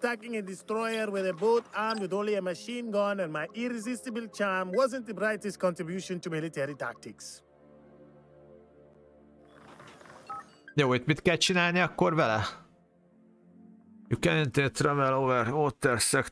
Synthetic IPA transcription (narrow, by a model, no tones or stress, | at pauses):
tækɪ̃ŋədistɾɔjəɾwɛðəboːθaɹmwɨdõːnliəməʃĩːnɡɔ̃nə̃nmajʔiɾɛzɪstəblˠt͡ʃaɹmwɔzə̃nt̪̚ðəbɹaɪtɛst̚kɔ̃ntɹibjuʃɔ̃ntumilitɛɹita̰k̚tiks | joːit̪mit̪kɛlt͡ʃinaːlniɒkːoɾvɛlɛ | jukɛnint̪eːt̪ɾɛvɛloːvɛɾmoːt̪ːɛɾsɛk